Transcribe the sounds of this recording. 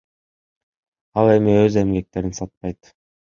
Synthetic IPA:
ɑlˠe̞miøze̞mɡe̞k̚t̪e̞ɾinsɑt̪̚pɑjt̪

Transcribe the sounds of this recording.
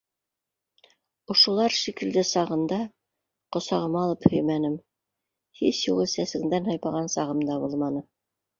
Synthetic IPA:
ŏʃŏlˠɑɾʃikɘ̆ld̪ɘsɑʁɤ̆nd̪ɑ | qŏsɑʁɤ̆mɑlˠɤphɵ̆jmænɘm | hisjuʁɤsæsɘ̆ŋd̪ænhɑjpɑʁɑnsɑʁɤ̆md̪ɑbulˠmɑnɤ

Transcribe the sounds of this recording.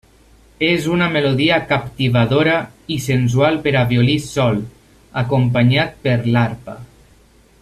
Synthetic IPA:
ezunameloðiakapt̪iβaðoɾaisens̬ualˠpeɾaβjolisɔl | akompaɲat̪̚peɾlaɾpa

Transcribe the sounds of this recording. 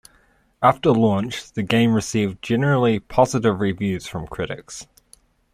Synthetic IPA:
aftəlɔ̃ˑnt͡ʃðəɡẽɪ̃mɹɪsiːvd͡ʒɛnəɹəl̩ˠipʰɒzɪɾɪvɹɪvjʉːz̥fɹə̃mkʰɹ̥ɪɾɪks

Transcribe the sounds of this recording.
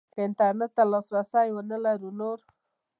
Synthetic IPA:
pɪnt̪aɾnet̪ːalɑsɾasajwənəlaɾunoɾ

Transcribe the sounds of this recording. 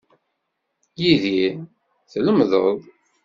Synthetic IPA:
jiði | θləmðˤəðˤ

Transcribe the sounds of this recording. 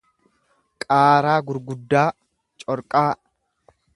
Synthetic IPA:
kʼaːɾaːɡʊɾɡʊd̪ːaː | t͡ʃʼɔɾkʼaː

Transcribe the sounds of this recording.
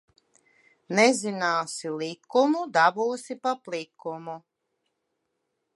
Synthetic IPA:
nɛzinaːsilikumud̪abuɔsipaplˠikumu

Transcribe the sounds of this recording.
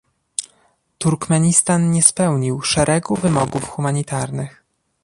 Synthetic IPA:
t̪uɾkmɛɲist̪anɲɛspɛwɲiwʂɛɾʔɛɡuvɘmɔɡufxumaɲit̪aɾnɘx

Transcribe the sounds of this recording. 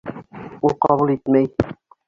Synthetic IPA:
ulˠqɑβulˠit̪mæj

